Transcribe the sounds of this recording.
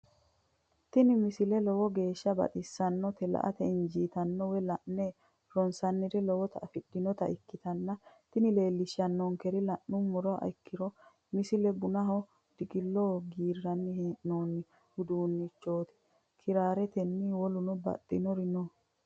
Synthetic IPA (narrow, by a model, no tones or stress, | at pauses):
t̪ɪnɪmɪsɪlɛlɔwɔɡe̞ːʃːɐbɐ̰t̪ʼɪsːɐnːɔt̪ɛlɐ̰ʔɐ̰t̪ɛɪnd͡ʒiːt̪ɐnːɔwɛlɐʔːe | ɾɔnsɐnːɪɾɪlɔwɔt̪ɐʔɐfɪd̥ːɪnɔt̪ɐɪkːɪt̪ɐnːɐt̪ɪnɪle̞ːlːɪʃːɐnːɔŋkɛɾɪlɐʔːʊmɔɾɔʔɐ̰kːɪɾɔ | mɪsɪlɛbʊnɐɦɔ | d̪̥ɪkʼɪlːoːɡiːrːɐnːɪhʔnoːnːɪ | hʊd̪uːnːɪt͡ʃːo̞ːt̪ɪ̥ | kʰɪɾaːɾɛt̪ɛnːɪwɔlʊnɔbɐ̰t̪ʼːɪnɔɾɪnɔ